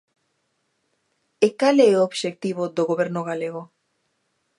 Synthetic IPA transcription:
ekaleeooβʃek̚t̪iβod̪oɣoβeɾnoɣ̞aleɣo

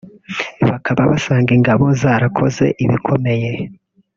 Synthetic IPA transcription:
βakʰaβaβasaːŋɡiŋɡaβo̞zaːɾakʰo̞̰ze̞̰ʔiβikʰo̞me̞je̞

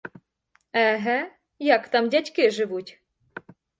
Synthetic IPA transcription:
ɛɦɛ | jakt̪amdʲatʲkʲɪʐɨʋutʲ

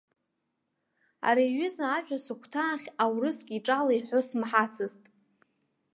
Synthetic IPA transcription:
a̰ɾajɥʏzaːʒᶣasɨkʷʰtʰaːχʲawrɨskʲʼiʈ͡ʂʼalaiħʷosmħat͡sʰɨztʼ

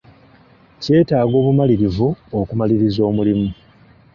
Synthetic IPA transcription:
ce̞ːtaːɡo̞ːβumaliɾivuokumaliɾizo̞ːmulimu

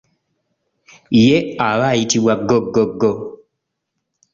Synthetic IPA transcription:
jeaβajitiwaɡɔɡoɡɔ

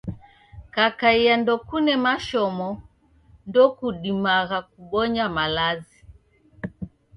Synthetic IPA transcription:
kakaijandɔkunɛmaʃɔmɔ | ndɔkuɗimaɣakuɓɔɲamalazi

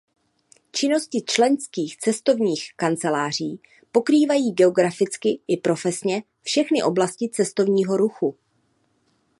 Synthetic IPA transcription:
t͡ʃɪno̞scɪt͡ʃlɛnskiːxt͡sɛst̪o̞vɲiːxkant͡sɛlaːr̝iː | po̞kɾiːvajiːɡɛo̞ɡɾafɪt͡skɪʔɪpɾo̞fɛsɲɛ | fʃɛxnɪʔo̞blascɪt͡sɛst̪o̞vɲiːɦo̞ɾuxu

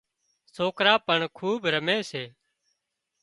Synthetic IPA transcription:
soːkɾaːpəɳkʰuːbɾəmeːseː

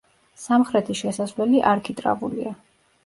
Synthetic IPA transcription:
samχɾɛt̪ʰiʃɛsasvlɛliʔaɾkʰit̪ʼɾa̰vulḭa

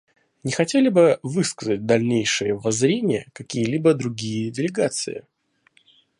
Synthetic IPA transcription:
nʲɪxɐtʲelʲɪbɨvɨskəzət̚ʲd̪ɐlʲnʲejʂɨjəvɐzɾʲenʲɪjəkɐkʲijəlʲibəd̪ɾʊɡʲijədʲɪlʲɪɡat̪sɨ̰ɪ̰

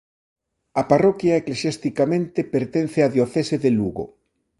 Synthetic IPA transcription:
ɐparɔkjaeklesjast̪ikamẽnt̪epeɾt̪en̟θeaðjoθeseðeluɣo̰

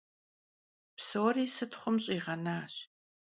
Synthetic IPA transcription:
psoːriːsɨtχʷʊmɕʼiːʁɐnaːɕ

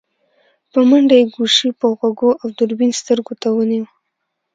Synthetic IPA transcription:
pəmaɳɖajeɡuʃipəɣwaɡoʔawd̪ʊɾbinst̪əɾɡot̪awəniwə

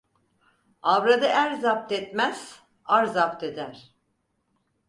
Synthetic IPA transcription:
avɾad̪ɯʔæɾzap̚t̪ɛt̪mæz̥ | aɾzapt̪ʰed̪æɾ̥

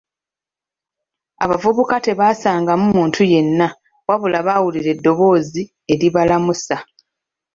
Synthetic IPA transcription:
a̰βavuβukate̞βaːsaːŋɡamumuːntʰuje̞nːa | waβulaβawuliɾe̞dːo̞βo̞ːzi | e̞ɾiβalamusa

